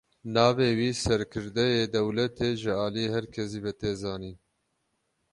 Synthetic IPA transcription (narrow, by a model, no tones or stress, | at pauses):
nɑːveːwiːsɛɾkʰɨɾd̪ɛjeːd̪ɛwlɛt̪ʰeːʒɪɑːlijehɛɾkʰɛsiːvɛt̪eːzɑːniː